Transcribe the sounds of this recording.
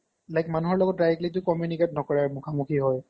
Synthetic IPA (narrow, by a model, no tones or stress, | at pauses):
lajkmanuɦɔɹlɔɡɔt̚dajiklit̬ʊkɔmjuniketnɔkɔɹaɹmukʰamukʰiɦɔj